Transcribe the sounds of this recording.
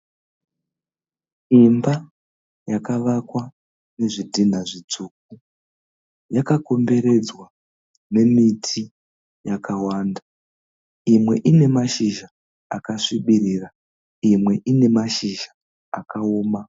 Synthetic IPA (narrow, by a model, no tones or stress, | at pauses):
imba | jakaʋakwa | ne̞ʐidʱin̤aʐid͡zuk̚u | jakako̞mbe̞ɾe̞d͡zwa | ne̞mitʰi | jakawaːnda | imwe̞̰ʔine̞maʃiʒa | akaʂiɓiɾiːra | imwe̞ʔine̞maʃiʒaː | kaoːma